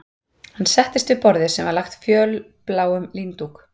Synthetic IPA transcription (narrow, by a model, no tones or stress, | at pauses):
hanːsɛht̪ɪst̪vɪpɔɾðɪsɛmvaɾlaxt̪fjœːl | plaːwʏmliːnt̪uk